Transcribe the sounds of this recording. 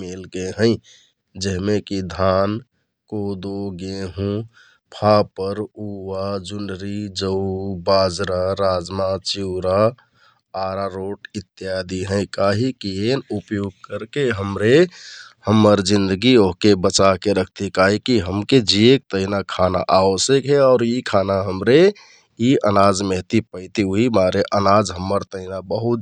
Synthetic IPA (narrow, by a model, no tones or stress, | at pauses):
melkeɦə̃ɪ̃ | d͡ʒəɦmekid̪ʱaːn | koːd̪oɡeɦũ | pʰapəɾuʋad͡ʒuɳɖɾid͡ʒəʊbaːd͡ʒɾaɾaːd͡ʒmat͡ʃiʊɾa | aɾaɾoʈɪt̪ːjad̪iɦə̃ɪ̃kaɦikienupjoɡ̚kəɾkeɦəmɾehəmːəɾd͡ʒĩnd̪əɡioɦkebət͡ʃakeɾəkʰt̪ikaɦikiɦəmked͡ʒiek̚t̪əɪnakʰana̰ʔaʋosəkɦɛɔːɾikʰanaɦəmɾe | iʔənad͡ʒmeɦt̪ipəɪt̪iuɦimaɾeʔənad͡ʒɦəmːəɾt̪əɪnabəɦut̪